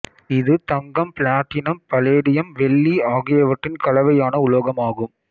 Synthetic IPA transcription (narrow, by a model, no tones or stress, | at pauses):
ɪðɯt̪ɐŋɡɐmpɪɭaːʈːɪnɐmpɐleːɽɪjɐmʋɛɭːiaːɣɪjɐʋɐʈrɪnkɐɭɐʋɐjaːnɐʊɭoːɣɐmaːɣɯm